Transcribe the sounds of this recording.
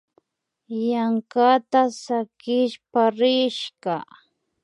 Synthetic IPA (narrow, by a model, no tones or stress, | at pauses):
jaŋkat̪asakɪʃpaɾɪʃka